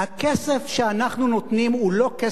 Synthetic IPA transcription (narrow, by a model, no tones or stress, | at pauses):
hakesefʃeanaχnunot̪nimulo̞ke